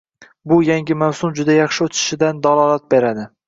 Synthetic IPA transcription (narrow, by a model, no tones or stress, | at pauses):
bʊjaŋɡʲɪmawsʊmd͡ʒʊd̪ajɑχʃɪot̪ʰɪ̥ʃɪd̪and̪alˠɒlˠat̪̚beɾad̪ɪ